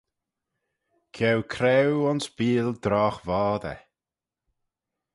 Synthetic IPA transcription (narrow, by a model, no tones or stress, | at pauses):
kʰɛwkʰɾɛwɔnsb̥iːld̪ɾɔːxvɔːd̪ə̰